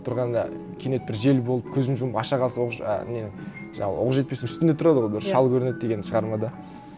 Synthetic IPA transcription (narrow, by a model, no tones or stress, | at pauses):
t̪ʰʊɾʁɑnd̪ɑ̰ | kʲʰe̞ne̞t̪̚bɪɾʒe̞lbo̞lˠəp̚kʲʰɵzɪnʒʊməpɑʃɑʁʰɑlˠsɑwoqʒ̰nenɪŋʒɑɴɑ̰lˠwo̞̰qəʒʒe̞t̪pe̞sɪŋʏst̪ɪnd̪et̪ʰʊɾɑd̪əʁojbɪɾʃɑlˠkʲʰɵɾɪne̞d̪̚d̪e̞ɡʲe̞nɪnʃəʁɑɾmɑd̪ə